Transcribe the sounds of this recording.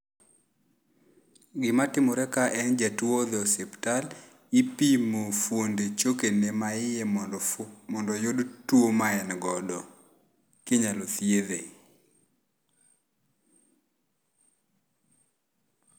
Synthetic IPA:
ɡɪmatɪmɔɾɛkaʔɛnd͡ʒatwod̪ɔseptal | ipimofwondet͡ʃokenemaɪjɛ | mɔndɔjodtwomaɛnɡɔdɔ | kɪɲalot̪jeðe

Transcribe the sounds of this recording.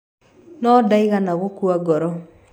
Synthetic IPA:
nɔdaiɣanaɣokuaɡɔɾɔ

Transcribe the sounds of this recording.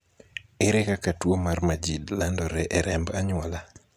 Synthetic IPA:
ɪɾɛkakatwomarmad͡ʒidlandɔɾɛʔɛɾɛmbaɲwɔla

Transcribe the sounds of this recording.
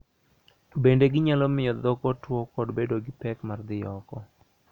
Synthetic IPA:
bendeɡɪɲalɔmɪjɔd̪ɔkɔtwɔkɔdbedoɡɪpɛkmard̪ɪɔkɔ

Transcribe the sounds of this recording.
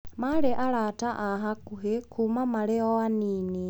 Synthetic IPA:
maɾeʔaɾataʔaɦakuɦekʰumamaleɔaniːni

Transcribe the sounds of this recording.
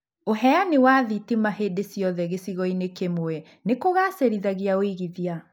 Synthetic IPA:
oɦɛanewaːðitimaɦedesjɔðɛɣesiɣɔinekemoɛ | nekoɣaːseɾiðaɣiaoiɣiðia

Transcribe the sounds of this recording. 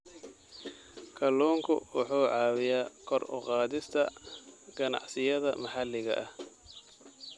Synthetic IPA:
kʰɐlɔːŋkʰʊ̰wɑ̰ħuːʕɑːwɪjaːkʰɔrʊ̰qɑːðɪst̪ʰɐɡ̥ɐnɑ̰ʕsɪjɐðɐmɐħɑlːɪɣɐ̰ʔɐh

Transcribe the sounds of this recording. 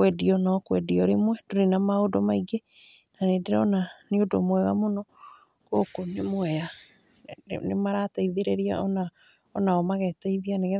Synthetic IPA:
kwɛdiɔnakwɛdiɔɾemwɛdoɾenamaodɔmaiɡe | nanedeɾɔnaneodo̰mwɛɣa̰monɔ | kokonemwɛa̰ | nemaɾataiðeɾeɾia̰ɔna | ɔnaɔmaɣɛtaiðianeɣɛ

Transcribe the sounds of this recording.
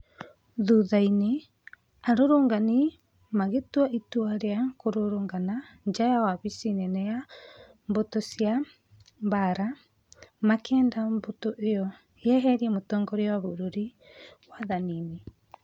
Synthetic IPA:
ðuðaine | aɾoɾoːŋɡani | maɣetwaʔitwaɾeakoɾoɾoːŋɡana | ɲd͡ʒajawaβisinɛnɛja | mbotosja | mbaɾa | makʰɛːndambotoʔejɔ | eɛɦɛɾiɛmotɔːŋɡɔɾewaβoɾoɾi | waðanini

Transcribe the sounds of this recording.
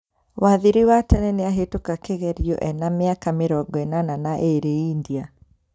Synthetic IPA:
waðiɾiwatɛnɛneaɦetokakeɣɛɾiɔ̰ʔɛnameakameɾɔɡɔɛnananaʔeɾeindia

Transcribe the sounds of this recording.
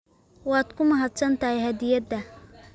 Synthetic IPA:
wɑːd̪kʰʊmɐɦɐt̪sɐnt̪ɐhɛhɐd̪ɪjɐd̪ɐ

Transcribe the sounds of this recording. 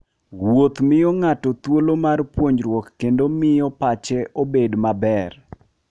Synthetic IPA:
wot̪mɪjɔŋatɔt̪wolomarpwoɲɾwɔkːendomɪjɔpat͡ʃɛʔobedmabɛr

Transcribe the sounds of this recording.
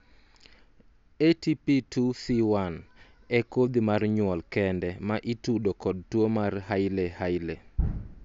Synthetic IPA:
etipitusiwan | ɛkod̪imarɲwɔlkɛndɛmaʔitudokɔd̚twomarhaɪlehajle

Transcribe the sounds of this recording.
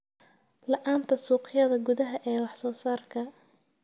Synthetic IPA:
lɐʔaːnt̪ʰɐsuːqɪjɐðɐɡʊðɐɦɐʔɛːwɑħsɔːsaːrkʰɐ

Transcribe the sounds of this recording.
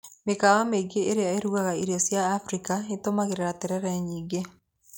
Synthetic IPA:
mekawameɡeʔeɾejaeɾuɣaɣaiɾiɔsjaːfɾikaetomaɣeɾeɾatɛɾɛɾaɲiːɡe

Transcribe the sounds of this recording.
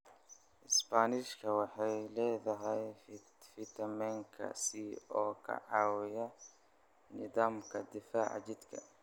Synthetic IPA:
ʔɪspaːnɪʃkʰɐwɑħɑjlɛːðɐɦɛj | fɪt̪ʰɐmɛŋkʰɐ̰siɔːkʰɐ̰ʕɑːwɪjɐ | nɪðaːmkʰɐd̪ɪfaːʕ̰d͡ʒɪd̪kʰɐ̰

